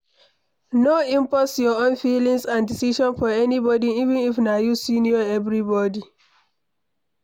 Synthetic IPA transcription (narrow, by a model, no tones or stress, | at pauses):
noĩmpɔsjɔõnfilĩŋsãndisiʃɔ̃nfɔɛnibɔdiivĩnifnajusiniɔɛvɹibɔdi